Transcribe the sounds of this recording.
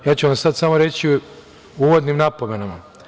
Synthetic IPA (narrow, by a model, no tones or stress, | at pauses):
jaːt͡ɕuʋamsad̪samo̞ɾe̞t͡ɕi | uːʋo̞d̪nimnapome̞nama